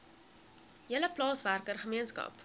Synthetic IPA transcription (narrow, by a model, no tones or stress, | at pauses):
jələplɑːsværkərχəmiənskɐ̰p